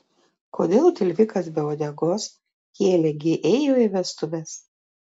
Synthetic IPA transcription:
kʰoːd̪ʲeːlˠt̪ʲɪlʲʋʲɪkɐsbʲɛoːd̪ʲɛɡoːs | kʲeːlʲɛɡʲɪʔɛjoːɪʋʲɛst̪ʊʋʲɛs

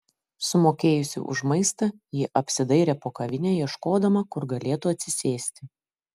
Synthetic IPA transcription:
sʊmoːkʲeːjʊsʲʊ̰ʔʊ̰ʒmɐɪst̪ɐjɪʔɐpʲsʲɪd̪ɐɪɾʲɛːpoːkɐʋʲɪnʲeːjiɛʃkoːd̪ɐmɐkʊɾɡɐlʲeːt̪ʊɐt̪ʲsʲɪsʲeːsʲt̪ʲɪ

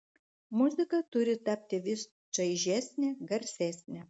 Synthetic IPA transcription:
mʊzʲɪkɐt̪ʊɾʲɪt̪ɐpʲt̪ʲɪʋʲɪs | t͡ʃɐɪʒʲæːsʲnʲɛɡɐɾʲsʲæːsʲnʲɛ

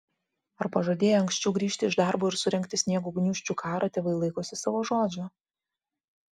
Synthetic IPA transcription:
ɐɾpɐʒoːd̪ʲeːjɛɐŋksʲt͡ʃʲɛʊɡɾʲiːʃʲt̪ʲɪɪʒd̪ɑˑɾboːɪɾsʊɾʲɛŋʲkʲt̪ʲɪsʲnʲiɛɡʊɡnʲuːʃʲt͡ʃʲuːkʰɑːɾɐt̪ʲeːʋɐɪlˠɐɪkoːsʲɪsɑːʋoːʒoːd͡ʒʲʊ

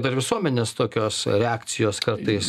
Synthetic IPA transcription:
d̪ɐɾʋʲɪsuɔmʲɛnʲeːst̪oːkʲoːsɾʲɛaːkt̪sʲɪjoːskɐrt̪ɐɪs

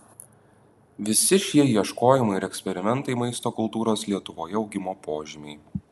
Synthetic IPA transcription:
ʋʲɪsʲɪʃʲiɛiɛʃkoːjɪmɐɪɪɾɛksʲpʲɛɾʲɪmʲɛnt̪ɐɪmɐɪst̪oːkʊlˠt̪uːɾoːslʲiɛt̪ʊʋoːjɛɒʊɡʲɪmoːpoːʒʲɪmʲɛɪ

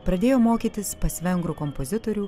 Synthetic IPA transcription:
pɾɐd̪ʲeːjoːmoːkʲiːt̪ʲɪspɐsʲʋʲɛŋɡɾukɔmpozʲɪt̪oːɾʲuː

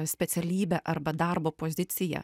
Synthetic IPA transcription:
sʲpʲɛt̪sʲɛlʲiːbʲɛʔɐɾbɐd̪ɐrboːpoːzʲɪt̪sʲɪjɛ̰

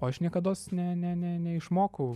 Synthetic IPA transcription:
ɐʃnʲiɛkɐd̪oːsnʲɛnʲɛnʲɛnʲɛɪʃmoːkɐʊ

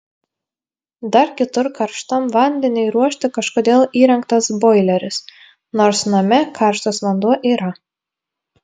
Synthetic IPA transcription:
d̪ɐɾkʲɪt̪ʊɾkɐɾʃt̪ɐmʋɐnʲd̪ʲɛnʲɪɪɾuɔʃʲt̪ʲɪkɐʃkoːd̪ʲeːlˠiːɾʲɛŋkt̪ɐsboːɪlʲɛɾʲɪs | noːɾsnɐmʲɛkʰɑˑɾʃt̪osʋɐnd̪uɔʔiːɾɐ

